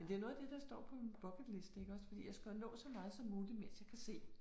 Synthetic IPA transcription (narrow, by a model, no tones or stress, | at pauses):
mend̥e̝æɐo̽ːðˠɐd̥e̝d̥ɑ̈sd̥ɒ̰ːpʰɒ̽minb̥ɒɡ̥ə̥le̝sd̥əe̝ɡəɒ̽sfɒd̥ḭːjaɪsɡ̥ænɔ̰̽ːsɒ̽mɑ̈ːð̞̩ˠsɒ̽mːuːlimen̰sjɑ̈kʰæse̝̰ː